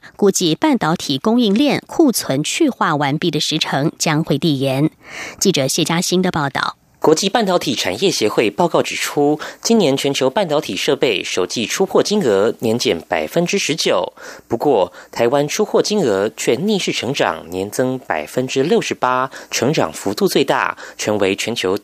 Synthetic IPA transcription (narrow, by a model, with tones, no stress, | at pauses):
kɔ˧˥t͡ɕi˥˧pa˥˩nt̪ɑ˧˥ʊt̪ʰi˨˩kʊ˥ŋi˥˧ŋljɛ˥˧nkʰu˥˩t͡sʰwə˧˥nt͡ɕʰy˥˧xwa˥˩wa˧˥npi˥˩d̪ə˩ʂɻ̩˧˥ʈ͡ʂʰɤ˧˥ŋt͡ɕjɑ˥ŋxwe˥˧ɪt̪i˥˩jɛ˧˥nt͡ɕi˥˩ʈ͡ʂɤ˨˩ɕjɛ˥˩t͡ɕja˥ɕi˥nd̪ə˨pɑ˥˧ʊt̪ɑ̰˥˩ʊ | kwɔ˧˥t͡ɕi˥˧pa˥˩nt̪ɑ˧˥ʊt̪ʰi˨˩ʈ͡ʂʰa̰˨˩njɛ˥˩ɕjɛ˧˥xwe˥˧ɪpɑ˥˧ʊkɑ˥˩ʊʈ͡ʂɻ̩˨˩ʈ͡ʂʰu˥t͡ɕi˥njɛ˧˥nt͡ɕʰɥɛ˧˥nt͡ɕʰjo˧˥ʊpa˥˩nt̪ɑ˧˥ʊt̪ʰi˨˩ʂɤ˥˧pe˥˩ɪʂo˨˩ʊt͡ɕi˥˧ʈ͡ʂʰu˥xʰwɔ˥˩t͡ɕi˥ŋɤ˧˥njɛ˧˥nt͡ɕjɛ˧˩npa̰˨˩ɪfə˦˥nʈ͡ʂɻ̩˥ʂɻ̩˧˥t͡ɕjo˨˩ʊpu˧˥kwɔ˥˩t̪ʰa˧˥ɪwa˥nʈ͡ʂʰu˥xʰwɔ˥˩t͡ɕi˥ŋɤ˧˥t͡ɕʰɥɛ˥˧ni˥˧ʂɻ̩˥˩ʈ͡ʂʰɤ˧˥ŋʈ͡ʂɑ̰˨˩ŋnjɛ˧˥nt͡sɤ˥ŋpa̰˨˩ɪfə˥nʈ͡ʂɻ̩˥ljo˥˩ʊʂɻ̩˧˥pa˥ʈ͡ʂʰɤ˧˥ŋʈ͡ʂɑ̰˨˩ŋfu˧˥t̪u˥˧t͡swe˥˧ɪt̪a̰˥˩t͡ɕʰɥɛ˧˥nwe˧˥ɪt͡ɕʰɥɛ˧˥nt͡ɕʰjo˧˥ʊ